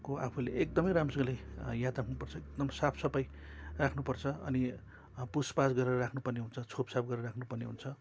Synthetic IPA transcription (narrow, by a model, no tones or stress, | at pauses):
koapʰuleekd̪ʌmʌjɾamsʌŋlajjat̪rakʰnupʌrt͡sʰʌek̚d̪ʌmsapʰsʌpʌjrakʰnupʌrt͡sʰʌʌ̰ni | puspasɡʌɾeɾʌrakʰnupʌrneɦunt͡sʰʌt͡sʰopsap̚ɡʌɾeɾʌrakʰnupʌrneɦunt͡sʰʌ